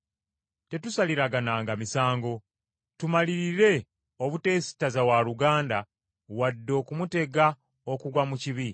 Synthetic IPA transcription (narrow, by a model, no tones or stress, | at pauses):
te̞tusaliɾaɡanaːŋɡamisaːŋɡo̞ | tumaliɾiɾe̞ | o̞βute̞ːsi̥tazawaluɡaːnda | wadːo̞ːkumute̞ɡa | okuɡwamuciβi